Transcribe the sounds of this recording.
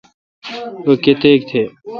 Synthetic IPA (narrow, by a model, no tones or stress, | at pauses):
oket̪eːk̚t̪ʰeː